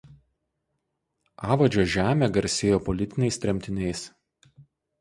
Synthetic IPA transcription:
ɑːʋɐd͡ʒʲoːʒʲæːmʲeːɡɐɾʲsʲeːjoːpɔlʲɪt̪ʲɪnʲɛɪsʲt̪ʲɾʲɛmʲt̪ʲɪnʲɛɪs

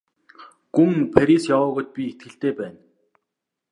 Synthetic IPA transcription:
ɡ̥uŋpʰæɾʲisjawʊːɣʊːt̪̚pʲiet̪̚ɡɘ̆ɬt̪eːpæːn

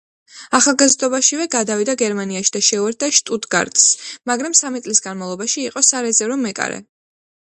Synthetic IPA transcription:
aχalˠɡazd̪ɔbaʃivɛɡad̪avid̪aɡɛɾmaniaʃi̥d̪aʃɛuɛɾt̪̚d̪aʃt̪ʼud̪ɡa̰ɾd̪smaɡɾamsamit̪sʼlisɡanmavlˠɔbaʃiːqʼɔsaɾɛzɛvɾɔmɛkʼa̰ɾɛ̰

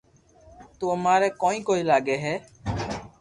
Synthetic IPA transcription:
t̪uːəmaːɾɛːkõːĩːkoːiːlaːɡeːɦɛː

